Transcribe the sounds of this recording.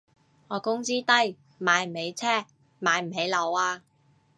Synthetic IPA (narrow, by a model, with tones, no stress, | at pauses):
ŋɔː˨˧kʊ˥ŋt͡siː˥t̪ɐ˥j | maː˨˧jm̩˨˩he˨˧jt͡sʰɛː˥ | maː˨˧jm̩˨˩ɦe˨˥jlɐ˨˧waː˧